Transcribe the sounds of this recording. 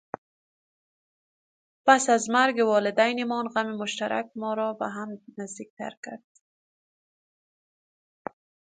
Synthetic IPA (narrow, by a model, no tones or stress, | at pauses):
pasazmaɾɡɪwɒːlɪd̪ajnɪmɔnɣamɪmʊʃt̪aɾa̰k̚mɔːɾɔba̰ɦamnazd̪ik̚t̪a̰ɾkaɾd̪̥̚